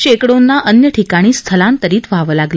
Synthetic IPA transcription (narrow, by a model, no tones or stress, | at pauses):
ɕekɽonːaʔənjəʈʰikaɽ̃iːst̪ʰəlãnt̪əɾiːt̪ʋ̤ʱaʋəlaɡlə